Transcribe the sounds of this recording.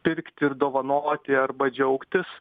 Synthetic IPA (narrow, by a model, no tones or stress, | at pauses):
pʲɪɾʲkt̪ʲɪɾd̪oːʋɐnoːt̪ʲɪɐɾbɐd͡ʒʲɛʊkt̪ʲɪs